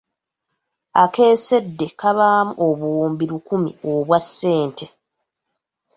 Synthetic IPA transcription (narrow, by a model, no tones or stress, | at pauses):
ake̞ːse̞dːe̞kaβaːmuʔo̞βuuːmbiɾukumḭo̞βwasːe̞ːntʰe̞